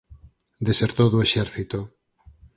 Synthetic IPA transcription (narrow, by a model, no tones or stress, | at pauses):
d̪eseɾt̪oðueʃɛɾθit̪o